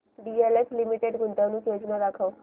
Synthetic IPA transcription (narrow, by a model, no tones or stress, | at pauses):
ɖieleflimiʈeɖɡʱunt̪anũːkjod͡ʑnad̪akʰəʋ